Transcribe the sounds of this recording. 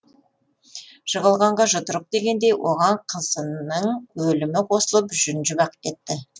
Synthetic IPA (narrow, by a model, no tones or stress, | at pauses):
ʒ̥əʁəlˠʁɑɴʁɑʒʊd̪əɾəq̚d̪e̞ɡʲe̞nd̪e̞jwʔo̞̰ʁɑɴqʰəzənəɴwɵlɪmɪqʰo̞səlˠəpʒʏnʒɪbɑqə̥t̪e̞t̪ːɪ